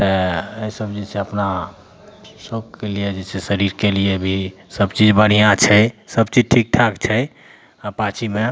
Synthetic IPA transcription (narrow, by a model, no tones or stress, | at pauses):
t̪əeisəbd͡ʒed͡ʒseəpna | sokːelied͡ʒesʰesəɾiɾkelijebʱisəbt͡ʃid͡ʒbəɽ̤ijãt͡ʃʰɛsəbt͡ʃid͡ʒʈʰik̚ʈʰakt͡ʃʰɛj | pat͡ʃʰime